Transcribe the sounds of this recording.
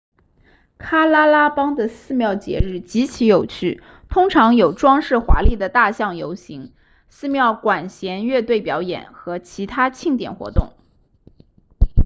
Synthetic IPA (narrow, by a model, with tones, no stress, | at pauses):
kʰa˥la˥la˥pɑ˥ŋd̪ə˨sɹ̩˥˧mjɑ˥˩ʊt͡ɕjɛ̰˧˥ɻɻ̩˥˩t͡ɕi˧˥t͡ɕʰi˧˥jo˨˩ʊt͡ɕʰy˥˩ | t̪ʰʊ˥ŋʈ͡ʂʰɑ˧˥ŋjo˨˩ʊʈ͡ʂwɑ˥ŋʂɻ̩˥˩xwa̰˧˥li˥˩d̪ə˩t̪a˥˧ɕjɑ˥˩ŋjo˧˥ʊɕi˧˥ŋ | sɹ̩˥˧mjɑ˥˩ʊkwa˨˩nɕjɛ˧˥nɥɛ˥˧t̪we˥˩ɪpjɑ˧˥ʊjɛ̰˨˩˦nxɤ˧˥t͡ɕʰi˧˥t̪ʰa˥t͡ɕʰi˥˩ŋt̪jɛ̰˨˩nxwɔ̰˧˥t̪ʊ̰˥˩ŋ